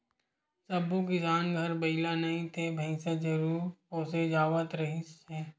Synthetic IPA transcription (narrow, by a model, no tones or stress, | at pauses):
sɐbuɡɪsaːnɡʱɐɾbɐɪlanɐɦĩt̪ʰebʱɐ̃ɪ̃sed͡ʒɐɾuːɾpoːsed͡ʒaːʋət̪ɾɐɦĩse